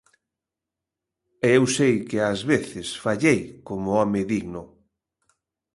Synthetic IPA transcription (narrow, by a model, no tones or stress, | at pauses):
ɛewsejkɪazβeθɪsfaʎejkomʊɔmɪðiɣnʊ